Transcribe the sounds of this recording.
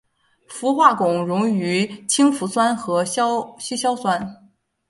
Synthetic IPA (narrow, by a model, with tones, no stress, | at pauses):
fu˧˥xwa˥˩kʊ˨˩ŋɻʊ˧˥ŋy˧˥t͡ɕʰi˥ŋfu˧˥swa˥nxɤ˧˥ɕɕy˥ɕjɑ˥ʊswa˥n